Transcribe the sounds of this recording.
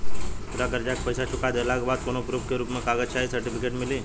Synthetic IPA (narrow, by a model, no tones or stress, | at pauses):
puɾakəɾd͡ʒak̚pəjsat͡ʃʰukad̪elaɡbad̪̚konopɾup̚keɾupmekaɡət͡ʃʰaɦisəɾʈipʰikeʈmili